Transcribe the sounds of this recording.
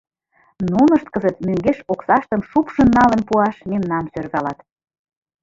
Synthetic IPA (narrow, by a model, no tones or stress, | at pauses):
nunə̆ʃt̪̚kə̆zət̪møŋɡeʃoksɑʃt̪ə̆mʃupʃə̆nːɑlə̆npuɑʃmemnɑmsørβɑlɑt̪